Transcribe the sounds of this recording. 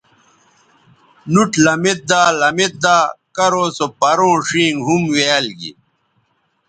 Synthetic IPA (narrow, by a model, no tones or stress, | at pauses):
nuʈlɐmet̪̚d̪aːlɐmet̪̚d̪aːkɐɾoːsopɐɾõːʂĩːŋɦumweɐlɡḭ